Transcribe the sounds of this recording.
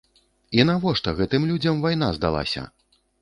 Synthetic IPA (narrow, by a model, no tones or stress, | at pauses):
in̪avɔʂt̪ɐɣɛt̪ɨmlʲud͡zʲɐmvajn̪azd̪a̰lˠa̰sʲɐ̰